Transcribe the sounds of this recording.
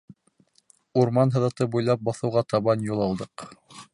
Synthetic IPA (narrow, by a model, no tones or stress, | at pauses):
uɾmɑnɦɤ̆ðɑt̪ɤbujlˠɑp̚bɑθɤ̆wʁɑt̪ɑβɑnjulˠɑlˠd̪ɤq